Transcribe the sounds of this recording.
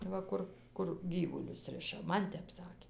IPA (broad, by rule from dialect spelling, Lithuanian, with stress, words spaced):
ˈʋɐ ˈkʊr ˈkʊr ˈɡʲiːʋʊlʲʊs ˈrʲɪʃɐ ˈmɐn ˈtʲɛp ˈsɑːkʲeː